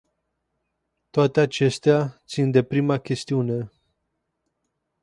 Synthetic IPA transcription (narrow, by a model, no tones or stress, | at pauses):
t̪oat̪e̞at͡ʃe̞st̪eat̪sind̪e̞pɾimakʲe̞st̪iune̞